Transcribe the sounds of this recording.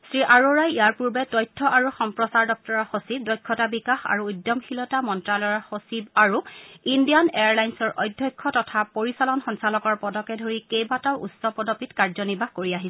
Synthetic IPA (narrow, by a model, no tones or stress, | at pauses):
sɹiʔaɹoɹajijaɹpuɹbɛtɔjtʰːɔʔaɹuxɔmpɹɔsaɹdɔk̚tɔɹɔxosib̚dɔjkʰːɔtabikaxa̰ɹuːdjɔmxilɔtamɔntɹalɔjɔxosibaɹuindijanejaɹlajnsɔɹʔɔ̰jdʱːjɔjkʰːɔtɔtʰapoɹisalɔnxɔnsalɔkɔɹpɔdɔkɛdʱoɹikejbatawṵtsɔpɔdɔpitkaɹzɔnibʱahkoɹiaɦisɛ